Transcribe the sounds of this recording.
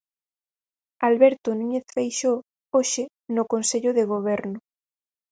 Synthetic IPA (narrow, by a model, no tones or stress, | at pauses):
alβɛɾt̪onũɲeθfejʃo | oʃɪ | nʊkonseʎʊðeɣ̞oβ̞ɛɾnʊ